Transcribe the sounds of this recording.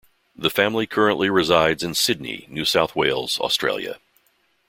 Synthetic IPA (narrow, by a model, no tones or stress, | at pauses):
ðɨfæ̃mlikʰɜ˞ɨ̃nʔliɹɨzaɪdzɨ̃nsɪdⁿnḭnʉsaʊθweɪlˠz̥ə̰stɹ̥eɪlˠjɨ̰